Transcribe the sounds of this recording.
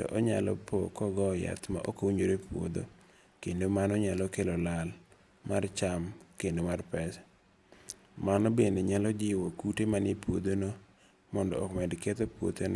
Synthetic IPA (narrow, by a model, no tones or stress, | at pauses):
tɔ̰ʔɔɲalɔ̰pokɔɡɔja̰t̪ma̰ʔokouɲoɾepwo̰d̪o̰ | kendomanɔɲalɔkelɔlal | mart͡ʃamkendomarpɛs | manɔbendeɲalɔd͡ʒɪwokutemanepwod̪ono | mɔndɔɔkmɛdket̪opwo̰t̪en